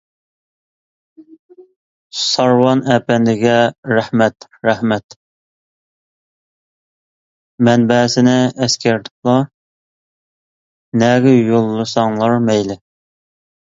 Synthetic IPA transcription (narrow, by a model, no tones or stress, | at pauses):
sɑɾwɑnɛpɛnd̪ɪɡʲɛɾæhmɛt̪ɾæhmɛt̪ | mɛnbɛsɪnɪɛskʲæɾt̪ʰʊ̥klˠɑ | nɛɡʲɪjolˠːɨsɑŋlˠɑɾmɛjlɪ